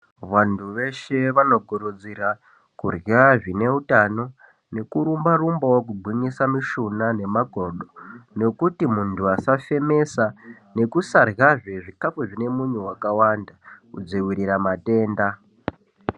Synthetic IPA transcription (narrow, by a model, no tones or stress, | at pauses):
ʋantʰuʋe̞ʃe̞ʋano̞ɡʱoɾod͡zira | kurjaʐine̞utano̞ | ne̞kuɾumbarumbawok̬ubʱwinisamiʃunane̞maɡʱoɗo̞ne̞kutimuntʰuasafe̞me̞sa | ne̞kusarɣaʐeʐikapoʐine̞muɲewakawandakud͡ziwiɾiɾamate̞ːnda